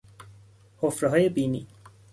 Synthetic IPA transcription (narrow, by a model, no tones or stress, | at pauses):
hofɾʌɦʌjebini